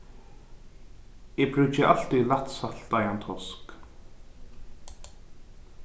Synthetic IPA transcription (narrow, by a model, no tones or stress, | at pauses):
ɪpɾʏt͡ʃɪʔa̰l̥t̪ilat̪salt̪ajant̪ʰɔsk